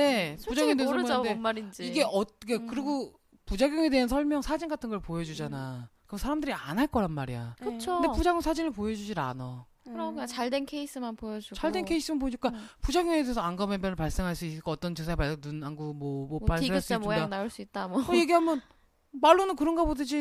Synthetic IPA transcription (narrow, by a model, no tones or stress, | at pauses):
ne̞pud͡ʑaɡŋedensʌmjemːaɾind͡ʑiiɡe̞ʔʌiɡekɯɾiɡo | pud͡ʑaɡjʌŋe̞deɦansʰʌɭmjʌŋsʰad͡ʑinɡatʰɯnɡʌɭpojʌd͡ʑud͡ʑanakɯɾʌsʰaɾamdɯɾianaɭk͈ʌɾanmaɾija̰kɯt͡ɕʰondepud͡ʑaɡjŋsʰad͡ʑinɯɭpojʌd͡ʑud͡ʑiɾa̰na | ɯɾt͡ɕaɭdwe̞nkʰe̞is͈ɯmanpojʌd͡ʑut͡ɕaɭdwe̞nkʰe̞is͈ɯmanpoɲik͈apud͡ʑaɡjoŋe̞deesʰʌaŋɡamemʌnɯɭpaɭs͈e̞ŋɦaɭs͈uisɯk͈ʌːt͈ʌnt͡ɕɯsʰaepanunanɡumwʌmʌpaɭseaɭs͈ɡanaɯɭs͈uit̚t͈amoje̞ɡiɦamjʌn | maɭːonɯnkɯɾʌnɡabodɯd͡ʑi